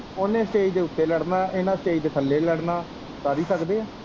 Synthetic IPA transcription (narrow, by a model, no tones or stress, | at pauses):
oːnẽːsʈeːiːd̪eːʊt̪ːeːləɽnãːʔɪnãːsʈeːiːd̪eːk̪ʰəlːeːləɽnãː | saːɾiːsəkd̪eːaː